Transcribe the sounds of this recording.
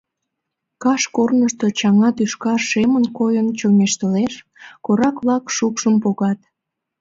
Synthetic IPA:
kɑʃkornəʃt̪ot͡ɕɑŋɑt̪yʃkɑʃemənkojənt͡ɕomeʃt̪əleʃ | koɾɑkβlɑkʃukʃəmpoɣɑt̪

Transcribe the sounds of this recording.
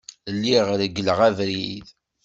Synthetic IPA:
əlːiʁɾəɡəlʁævɾið

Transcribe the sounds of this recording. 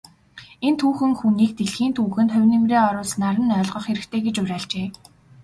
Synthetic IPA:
ent̪ʰuːxɘ̆ŋxuniːk̚t̪eɮxiːnt̪ʰuːxɘ̆nt̪χœ̟wʲnemreːɔɾʊːsnaɾə̆nœːɮʁɞ̆χxeɾɘ̆xt̪ʰeːɡet͡ɕʊɾʲæːɮt͡ɕeː

